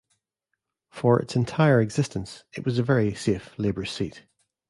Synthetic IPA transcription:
fə˞ɪ̰tsɪ̃ntʰaɪə˞ɛɡz̥ɪstə̃nsɪ̰ʔwɒzəvɛɹiseflˠebə̥˞siʔ

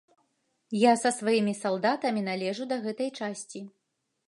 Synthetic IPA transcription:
jasɐsvajimʲisalˠd̪at̪ɐmʲinalʲɛʐud̪ɐɣɛt̪ɐjt͡ʂasʲt͡sʲi

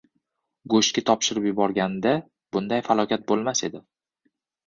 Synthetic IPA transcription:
ɡoʃkʲɪt̪ʰɒpʃɪɾɪpjʊbɒɾɡʲand̪a | b̥ʊnd̪ajfalˠɒkʲʰat̪̚bolˠmase̞d̪ɪ

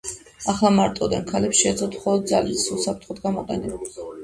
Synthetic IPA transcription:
aχlˠamaɾt̪ʼɔd̪ɛnkʰalɛpsʃɛd̪zɔt̪ʰχɔlˠɔd̪̚za̰lisusapʰɾt̪ʰχɔd̪ɡamɔqʼɛnil

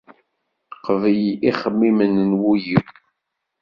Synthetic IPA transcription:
qəvəjiχəmːimənnwujiw

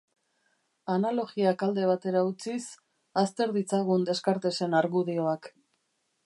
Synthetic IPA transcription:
analo̞ɣiakald̪e̞β̞at̪e̞ɾaut͡sis | ast̪e̞ɾðit͡saɣ̞und̪e̞skaɾt̪e̞se̞naɾɣuð̞io̞ak

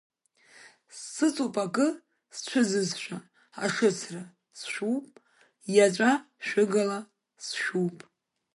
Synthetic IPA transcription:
sːɨt͡sʼupʼakʼɨ | st͡ʃʷʰʊzɨzʃᶣa | a̰ʂɨt͡sʰra | sʃupʼ | jat͡ʃʷʼa | ʃᶣɨɡala | sʃᶣupʼ

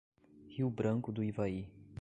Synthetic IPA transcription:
hiwbɾɐ̃ŋkʊd̪ʊivai

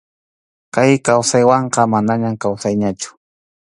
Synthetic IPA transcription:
kajkawsajwɑɴqɑmanaɲamkawsajɲat͡ʃʊ̥

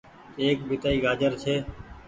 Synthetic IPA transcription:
eːkbʱɪt̪aːiːɡaːd͡ʒəɾt͡ʃʰeː

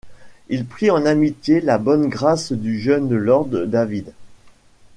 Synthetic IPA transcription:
ilpχiɑ̃namit̪jelabɔnɡʁasd̪yʒœnəlɔʁd̪ːavid̪

